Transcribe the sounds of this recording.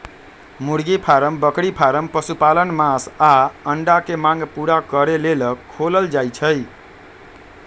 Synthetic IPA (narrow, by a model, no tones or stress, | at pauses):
muɽɡipʰaɾəmbəkɽipʰaɾəmpəsupalənmasaəɳɖakemaŋɡpuɾakəɾeleləoləld͡ʒajt͡ʃʰəj